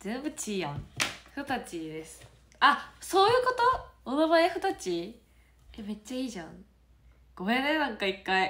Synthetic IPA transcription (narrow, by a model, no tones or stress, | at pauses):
zẽ̞mbɯ̟t͡ɕiːjãhɯot̪at͡ɕid̪e̞sɨ̥ | asoːjɯ̟ːko̞t̪o̞omoβaaɸɯ̟t̪at͡ɕi | eme̞t͡ɕːaiːʑãŋ | ɡ̥o̞henenãŋkaikːai